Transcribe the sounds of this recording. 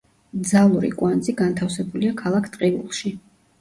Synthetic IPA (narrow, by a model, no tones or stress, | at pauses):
d̪zalˠuɾḭkʼwanziɡant̪ʰafsɛbuliakʰalˠakʰt̪ʼqʼibṵlˠʃi